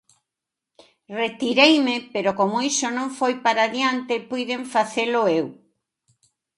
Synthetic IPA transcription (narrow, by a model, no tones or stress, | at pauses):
ret̪iɾejmepeɾokomoisonõɱfojpaɾaðjant̪epujðeɱfaθelʊew